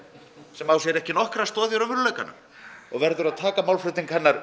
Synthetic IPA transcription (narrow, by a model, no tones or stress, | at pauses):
sɛmawsjɛɾɛhcɪnɔhkɾast̪ɔːðjaɾʏvʏɾlœːɥka̰na̰ | ɔɣvɛɾðʏɾaðt̪ʰaːkamawlflʏt̪iŋkhɛnːaɾ